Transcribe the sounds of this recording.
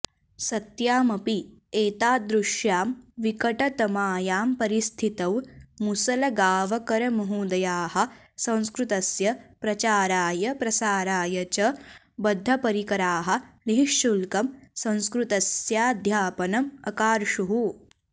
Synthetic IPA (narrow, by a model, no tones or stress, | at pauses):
sɐt̪jaːmɐpi | eːt̪aːd̪ɾuʃjaːmʋikɐʈɐt̪ɐmaːjaːmpɐɾist̪ʰit̪ɐwmusɐlɐɡaːʋɐkɐɾɐmɐɦud̪ɐjaːhɐ̆ | sɐ̃w̃skɾut̪ɐsjɐpɾɐt͡ʃaːɾaːjɐpɾɐsaːɾaːjɐt͡ʃɐ | bɐd̪ʱːɐpɐɾikɐɾaːɦɐ̆liɦiʂːulkɐmsɐ̃w̃skɾut̪ɐsjaːd̪ʱjaːpɐnɐmɐkaːɾʃuɦu